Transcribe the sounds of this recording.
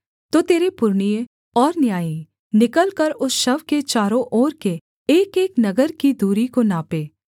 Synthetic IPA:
t̪oːt̪eːɾepʊɾɳijẽ | ɔːɾnjaːĩ | nɪkəlkɐɾʊsʃɐʋket͡ʃaːɾõʔoːɾke | eːkeːknɐɡəɾkid̪uːɾikonaːpeː

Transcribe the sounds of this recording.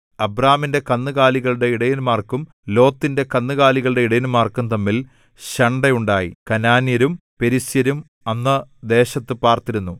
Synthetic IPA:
ɐbraːminde̞kɐnːɨɣaːliɣɐɭɽe̞iɽɐjinmaːrkum | lo̞ːt̪ːinde̞kɐnːɨɣaːliɣɐɭɨɽe̞iɽɐjinmaːrkumt̪ɐmːil | ɕɐɳɖejuɳɖaːjḭkɐnaːnjɐɾumpe̞ɾisjɐɾum | ɐnːɐd̪e̞ːɕɐt̪ːɨpaːrt̪ːiɾunːu

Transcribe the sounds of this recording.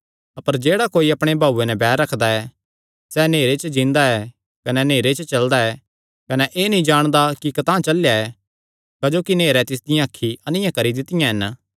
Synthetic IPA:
ɐpəɾd͡ʒeːɽakoːiɐpɽ̃ebʱaːuːenɛbɛːɾɾɐkʰd̪aɛ | sɛneːɾet͡ʃəd͡ʒĩnd̪aɛ | kɐnɛneːɾet͡ʃət͡ʃɐld̪aɛː | kɐnɛʔeːnɐĩd͡ʒaːɽ̃d̪akikɐt̪ãːt͡ʃɐljaɛ | kɐd͡ʒoːkineːɾɛt̪ɪs̬d̪ɪjãːkʰːiɐnɪjãkɐɾid̪ɪt̪ɪjãɦɛn

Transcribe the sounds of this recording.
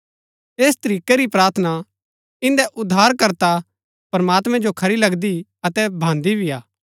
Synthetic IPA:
eːst̪ɐɾiːkeɾipɾaːɾt̪ʰəna | ɪ̃nd̪ɛʔʊd̪ʱːaːɾkɐɾt̪a | pɾɐmaːt̪mɛ̃d͡ʒokʰɐɾilɐɡd̪iɐt̪ɛbʱãːnd̪ibʱiaː

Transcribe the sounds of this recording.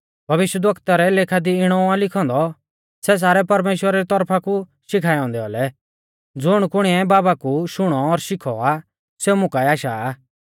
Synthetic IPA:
bʱɐʋɪʃwəd̪ʋɐkt̪aɾɛleːkʰad̪iɪɽ̃ɔãlɪkʰɔ̃nd̪ɔ | sɛs̬aːɾɛpɐɾmeːʃwəɾaɾit̪ɔɾpʰakuʃɪkʰaːjɔ̃nd̪ɛɔ̰lɛ | d͡zʊɽ̃kʊɽ̃iɛbaːbakuʃʊɽ̃ɔːɾʃɪkʰɔ̰a | seumʊ̃kaɛaːʃaː

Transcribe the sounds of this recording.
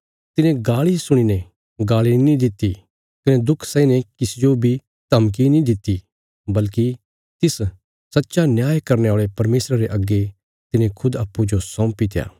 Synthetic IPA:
t̪ɪnẽɡaːlisʊɽ̃ine | ɡaːɭinĩd̪ɪt̪ːi | kɐned̪ʊkʰsɛ̃ĩnekɪsd͡ʒobʱi | t̪ɐmk̬inĩd̪ɪt̪ːi | bɐlki | t̪ɪs | sɐtːʃanjaːjkɐɾneaːɭepɐɾmeːsɾaɾeʔɐɡːe | t̪ɪnẽkʰʊd̪aːpːud͡ʒosɔ̃ːpit̪eja̰ː

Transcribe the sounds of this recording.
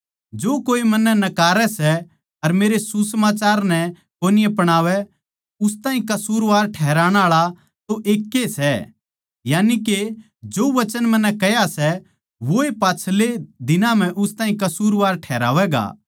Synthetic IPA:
d͡ʒoːkoːimɐnːɛnɐkaːɾɛsɛ | ɐɾmeːɾesusəmaːt͡ʃaːɾnɛ | koːnɪjãpɐɽ̃aːʋɛ | ʊs̬t̪ãːɦĩkɐsuːɾʋaːɾʈʰɛːɾaːɽ̃aːɭa | t̪oʔeːkːesɛ | jaːnike | d͡ʒoːʋɐt͡ʃənmɐ̃nːɛkɛjasɛ | ʋoepaːt͡ʃʰled̪ɪnãm̤ɛ̃ʔʊst̪ãːɦĩkɐsuːɾʋaːɾʈʰɛːɾa̰ːʋɛɡa̰ː

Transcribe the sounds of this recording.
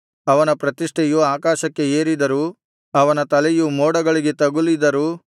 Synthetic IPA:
ɐʋɐnɐpɾɐt̪iʂʈʰejuaːkaːʃɐkːe̞eːɾid̪ɐɾu | ɐʋɐnɐt̪ɐlejumoːɽɐɡɐɭiɡe̞t̪ɐɡulid̪ɐɾuː

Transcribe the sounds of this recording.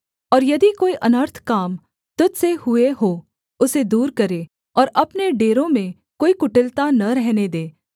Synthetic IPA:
ɔːɾjɐd̪ikoːiʔɐnəɾt̪ʰkaːm | t̪ʊd̪sehʊeɦoː | ʊsed̪uːɾkɐɾe | ɔːɾɐpneɖeːɾõmẽ | koːikʊʈɪlt̪anɐɾɛɦned̪eː

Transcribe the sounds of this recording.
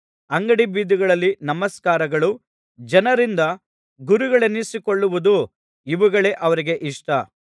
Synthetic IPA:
ɐŋɡɐɽibiːd̪iɡɐɭɐlːinɐmɐskaːɾɐɡɐɭu | d͡ʒɐnɐɾind̪ɐ | ɡuɾuɡɐɭenːisiko̞ɭːuʋud̪u | iʋuɡɐɭe̞ʔɐʋɐɾiɡe̞ʔiʂʈɐ

